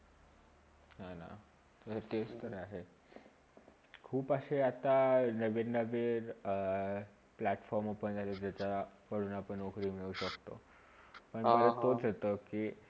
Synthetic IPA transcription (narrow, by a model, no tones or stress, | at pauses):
nana̰ | tət̪est̪əɾaɦe | kʰuːpaseat̪anəʋenəʋeɾ | plæʈfɔɾmopəɳd͡ʑat͡sad͡ʑat͡ɕakəɽuːnapəɳuɡɾiːmiɭuɕəkt̪o | pəɳməɾət̪od͡zɦet̪əki